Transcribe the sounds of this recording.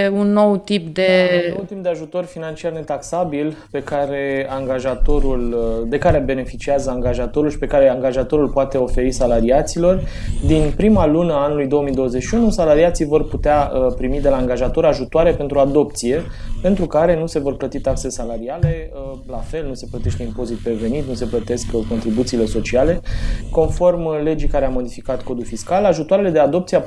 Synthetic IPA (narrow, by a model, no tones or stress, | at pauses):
unːo̞wt̪ipd̪e̞wt̪ip̚d̪e̞aʒut̪o̞rʲfinant͡ʃiarne̞t̪aksabilpe̞kaɾe̞aŋɡaʒat̪o̞ɾuld̪e̞kaɾebe̞ne̞fit͡ʃiazəaŋɡaʒat̪o̞ɾulʃi̥pe̞kaɾe̞aŋɡaʒat̪o̞ɾulpoat̪e̞o̞fe̞ɾisalaɾiat̪silo̞rd̪inpɾimalunəaanulujd̪o̞wəmijd̪o̞wəzet͡ʃʃiunusalaɾiat̪sivo̞rput̪eaəpɾimid̪e̞laːŋɡaʒat̪o̞ɾaʒut̪oaɾe̞pe̞nt̪ɾuad̪o̞pt̪sije̞pe̞nt̪ɾukaɾe̞nuse̞vo̞rplət̪it̪akselesalaɾiale̞ | lafe̞lnuse̞plət̪e̞ʃt̪eimpo̞zit̪̚peve̞nit̪̚nuse̞plət̪e̞skəko̞nt̪ɾibut̪siːle̞so̞t͡ʃiale̞ko̞nfo̞rmle̞d͡ʒikaɾeamo̞d̪ifikat̪ko̞d̪ulfiskalaʒut̪oaɾele̞d̪ead̪o̞p̚t̪sia